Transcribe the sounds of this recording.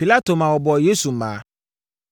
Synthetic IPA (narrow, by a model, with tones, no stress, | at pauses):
pi˨la˦to˨mã˨wɔ˨bɔ˨je˦su˨m̩˨mã̰ː˨˦